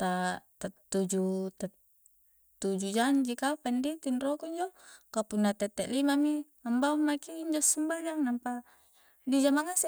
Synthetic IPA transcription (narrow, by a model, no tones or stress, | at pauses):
t̪at̪at̪ːud͡ʒut̪a | t̪ud͡ʒud͡ʒaɲd͡ʒikapandit̪inrɔkuɲd͡ʒokapunːat̪ɛt̪ːɛʔlimami | ambaumakiːɲd͡ʒɔsəmbad͡ʒaŋnampa | did͡ʒamaŋas